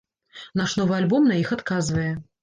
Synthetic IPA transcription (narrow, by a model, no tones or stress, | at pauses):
naʂnɔvɨalʲbɔmnɐixat̪kazvɐjɛ